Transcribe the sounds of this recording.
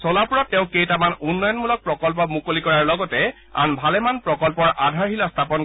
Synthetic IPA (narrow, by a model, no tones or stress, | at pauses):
sɔlapuɹɔtːɛʊ̃kejtamanunːɔjɔnmulɔk̚pɹɔkɔlp̬ɔmukolikɔɹaɹlɔɡɔtɛ | a̰nbʱalɛmanpɹɔkɔlpɔɹʔadʱaɹhilɔstʰapɔn